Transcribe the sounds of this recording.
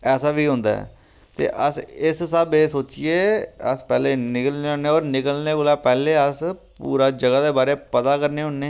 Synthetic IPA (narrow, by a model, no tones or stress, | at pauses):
ɛːsaːʋiːɦʊ̃ːnd̪a̰ːɛ̰ː | t̪ḛːʔəsɪssəbeːsoːt͡ʃieːəspɛːleːnɪkəlneːɦõːneːoːɾnɪkəlneːkəlaːpɛːleːəspuːɾaːd͡ʒəɡaːd̪eːbaːɾeːpət̪aːkəɾneːɦʊ̃ːneː